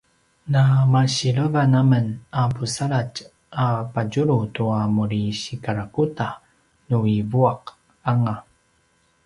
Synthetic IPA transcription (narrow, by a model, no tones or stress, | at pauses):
namaɕiɭəvanamənapusaɭac | apaɟuɾutuamuɾiɕikaɾakuta | nuivuaq | aŋa